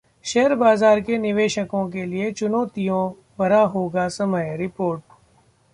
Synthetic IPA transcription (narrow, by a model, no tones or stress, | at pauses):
ʃɛɦəɾbaːzaːɾkenɪʋeːʃəkõk̬eliet͡ʃʊnoːt̪ijõ | bɐɾaɦoːɡasɐməjɾɪpoːɾʈ̚